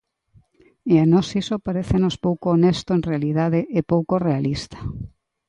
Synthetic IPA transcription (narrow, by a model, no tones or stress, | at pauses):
eanɔsisopaɾeθenospowkoːnest̪oẽnrealiðaðeʔepowkorealist̪ḁ